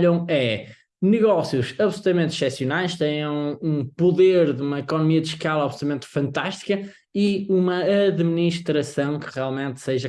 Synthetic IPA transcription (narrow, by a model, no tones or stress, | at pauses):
ʎɐ̃w̃ɛ | nɨɣɔsjuʃɐβsulˠut̪ɐmẽnt̪ʃɛsjunajʃt̪ɛ̃j̃ẽũpuðeɾðumɐikɔnumiɐðɨʃkalˠɐawɐβslˠut̪ɐmẽnt̪u̥fɐ̃nt̪aʃt̪i̥kɐ | iumɐːðminiʃt̪ɾɐsɐ̃w̃kɨ̥ʁialˠmẽnt̪seʒɐ